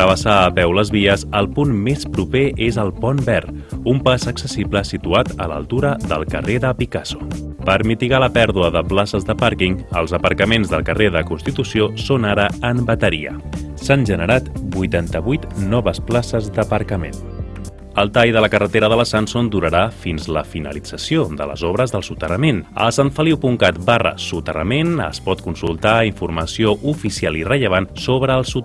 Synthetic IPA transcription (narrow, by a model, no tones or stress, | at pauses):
əβəsaːpɛwləzβiəzəlˠpunmespɾupeʔezəlˠpɔnbɛr | umpazəksəsipləsit̪uat̪ə̰lə̰lˠt̪uɾəðə̰lˠkə̰reðəpikaso̥ | pəɾmit̪iɣaləpɛɾðuəðəplasəzðəpaɾkiŋəlˠzəpəɾkəmenzðəlˠkəreðəkunst̪it̪usiosonaɾəəmbət̪əɾḭə̰ | sanʒənəɾat̪bujt̪ant̪əβujt̪nɔβəsplasəzd̪əpəɾkəmḛn | əlˠt̪ajðələkərət̪eɾəðələsansond̪uɾəɾafinzləfinə̰lid͡zəsijoðə̰lə̰zɔβ̞ɾəzðəlˠsut̪ərəmenə̰saɱfəliwpuŋkat̪barə̰sut̪ərə̰menə̰spɔt̪̚kunsulˠt̪aiɱfurməsioʔufisialirəʎəβ̞ansoβɾəːlˠsu